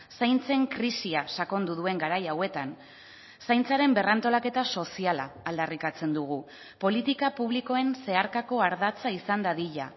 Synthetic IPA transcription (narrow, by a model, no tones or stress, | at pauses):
sajnt͡se̞ŋkɾisiasako̞nd̪uðue̞ŋɡaɾajawe̞t̪an | sajnt͡saɾe̞mbe̞rant̪o̞lake̞t̪aso̞siala̰ːld̪arikat͡se̞nd̪uɣ̞u | po̞lit̪ikapuβliko̞e̞nse̞aɾkako̞aɾðat͡saisand̪aðiʎa̰